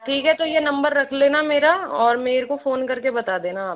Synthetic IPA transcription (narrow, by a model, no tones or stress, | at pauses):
ʈʰiːkɦɛt̪ojenɐ̃mbəɾːɐkʰleːnameːɾaɔːɾmeːɾkofoːnkɐɾkebɐt̪aːd̪eːnaːp̚